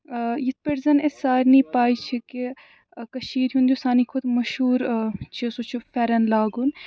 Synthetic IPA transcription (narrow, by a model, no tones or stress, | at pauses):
jit̪̚ʰpeɾzɐnesaːɾnipaːit͡ʃʰiki | kɐʃiːɾɦund̪usaːnikʰʊd̪mɐʃuːɾt͡ʃʰisoːt͡ʃʰufɛɾɐnlaːɡun